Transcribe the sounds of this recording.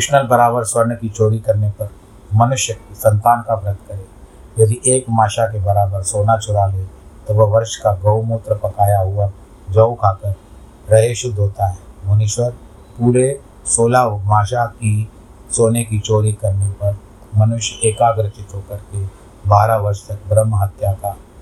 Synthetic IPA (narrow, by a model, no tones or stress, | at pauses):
ɪʃnəlbɐɾaːbəɾswəɾnkit͡ʃoːɾikɐɾnepɐɾ | mɐnʊʃjəkisɐ̃nt̪aːnkabɾəd̪̚kəɾẽː | jɐd̪iʔeːkmaːʃakebɐɾaːbəɾsoːnat͡ʃʰʊɽaleːt̪oʋɐʋɐɾʃkaɡɐʊmoːt̪ɾəpɐkaːjaɦʊa | d͡ʒɐwkaːkəɾ | pɾɐɦeːʃd̪oːt̪aɦɛːmɐnɪʃwəɾ | puːɾe | soːlaːmaːʃaki | soːnekit͡ʃoːɾikɐɾnepɐɾ | mɐnʊʃjeːkaːɡɾɪt̪it̪okɐɾke | baːɾaʋɐɾʃt̪ɐk̚bɾəmɦət̪jaka